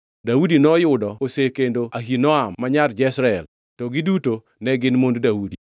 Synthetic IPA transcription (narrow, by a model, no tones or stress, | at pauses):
dawudinɔjʊdɔkosekendoaɦinɔamːaɲard͡ʒɛsɾaɛl | tɔɡɪduto | nɛɡɪnmonddawudi